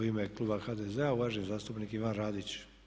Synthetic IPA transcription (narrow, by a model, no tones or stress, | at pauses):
imeklˠubaxaːd̪ezeauʋaːʒeɲizaːst̪upnikiʋanɾaːd̪it͡ɕ